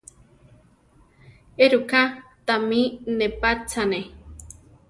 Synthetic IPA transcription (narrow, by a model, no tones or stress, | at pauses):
eɾukat̪aminepat͡sane